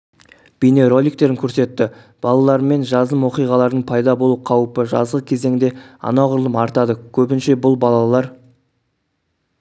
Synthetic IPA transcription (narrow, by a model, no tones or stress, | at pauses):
b̥ijne̞ɾo̞lʲik̚t̪e̞ɾɪŋkʲʰɵɾse̞t̪ːɪ | b̥ɑlˠɑlˠɑɾme̞nʒɑzəmwo̞qijʁɑlˠɑɾd̪əɴpʰɑjd̪ɑbo̞lˠuqʰɑwəpəʒɑ̰zʁəkʲʰe̞ze̞ŋd̪e̞ɑ̰nɑʁʊɾlˠəmɑɾt̪ɑd̪əkʲʰɵbɪnʃe̞bʊlˠbɑlˠɑlˠɑɾ